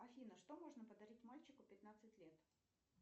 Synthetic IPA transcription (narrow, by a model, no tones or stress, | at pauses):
ɐfʲinəʂt̪omoʐnəpəd̪ɐɾʲitʲmalʲt͡ɕɪkʊpʲɪt̪nat̪sɨtʲlʲet̪